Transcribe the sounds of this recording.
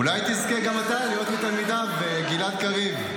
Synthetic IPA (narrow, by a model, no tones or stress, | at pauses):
ulajt̪izkeɡamat̪alijo̞t̪mit̪almid̪abeɡilat̪̚kaʁiv